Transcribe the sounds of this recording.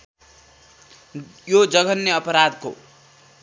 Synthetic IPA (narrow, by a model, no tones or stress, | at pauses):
jod͡zʌɡʌnːeʌpʌɾad̪ko̰